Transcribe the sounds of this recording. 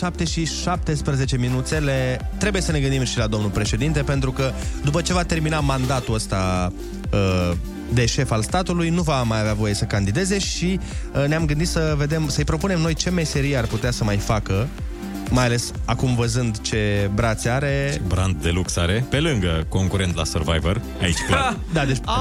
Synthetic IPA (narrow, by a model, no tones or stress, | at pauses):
ʃap̚t̪e̞ʃiʃap̚t̪e̞spɾeze̞t͡ʃe̞minut̪se̞le̞t̪ɾe̞buje̞səne̞ɡɨnd̪imʃilad̪o̞mnulpɾe̞ʃe̞d̪int̪e̞pe̞nt̪ɾukəd̪upət͡ʃe̞vat̪e̞rminamand̪at̪uəst̪a | ə | d̪e̞ʃe̞falst̪at̪ulujnuvamajaveavo̞je̞səkand̪id̪e̞ze̞ʃineamɡɨnd̪it̪səve̞d̪e̞msəɨjpɾo̞pune̞mno̞jt͡ʃe̞me̞se̞ɾiearput̪easəmajfakə | majale̞sakumvəzɨnd̪t͡ʃe̞bɾat̪sʲaɾe̞bɾand̪̚d̪e̞luksaɾe̞pe̞lɨŋɡəko̞ŋkuɾe̞nt̪la̰sərva̰jvər | a̰ḭt͡ʃklad̪ad̪et͡ʃ